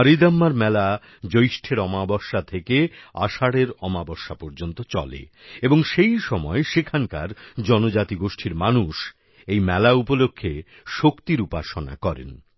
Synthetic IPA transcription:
aɾid̪amːaɾmɛla | d͡ʑojʃʈʰeɾɔmabɔʃːat̪ʰekea̰ʃaɽeɾɔmabɔʃːapɔɾd͡ʑont̪ot͡ɕɔ̰lḛeboŋʃejʃɔmɔeʃekʰanka̰ɾd͡ʑɔnod͡ʑat̪iɡoʃʈʰiɾmanuʃ | ejmɛlaupolokʰːe | ʃokt̪iɾupaʃona̰kɔɾḛn

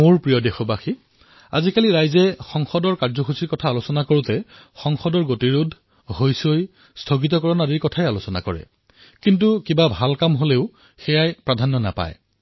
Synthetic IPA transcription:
moɹpɹijɔdexɔbaxi | a̰zikaliɹajzɛxɔŋxɔdɔɹkaɹzɔxusiɹkɔtʰaːlosɔnakoɹutɛ | xɔŋxɔdɔɹɡotiɹudʱ | hojsoj | stʰoɡit̪̬ɔkɔɹɔnadiɹkɔtʰajalosɔna̰kɔ̰ɹɛ̰ | kint̬ukibabʱalkamɦoleʊ | xɛjajpɹadʱanːɔna̰pa̰j

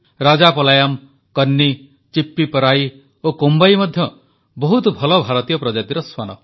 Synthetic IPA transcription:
ɾad͡ʒapɔlajam | kʌnːi | t͡ʃipːipɔɾaj | okombajmɔd̪ʱjɔ | bɔɦut̪ɔbʱɔlɔbʱaɾɔt̪ijɔpɾɔd͡ʒat̪iɾɔswanɔ̰

